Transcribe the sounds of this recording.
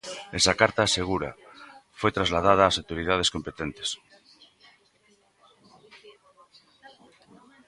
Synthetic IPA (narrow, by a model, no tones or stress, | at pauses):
esakaɾt̪aːseɣ̞uɾa̰fojt̪ɾazlaðaðaːsawt̪oɾiðað̞eskompet̪ent̪e̥s